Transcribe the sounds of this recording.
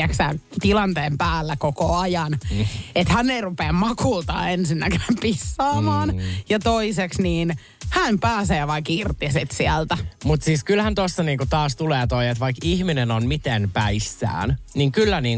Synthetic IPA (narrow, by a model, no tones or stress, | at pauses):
æksæ̰ːnt̪ilɑnt̪eːmpæːlːækokoɑjɑnet̪hænːeirupeːmmɑkult̪ɑ̰ːensinːækenæmpisːɑːmɑːnjɑt̪oiseksniːn | hæmpæːseːʋɑikirt̪isit̪siælt̪æmut̪siːskylhænt̪osːɑniːŋkut̪ɑːst̪uleːt̪oiet̪ʋɑikihminenonmit̪enpæisːæ̰ːnniŋkylːæniːŋ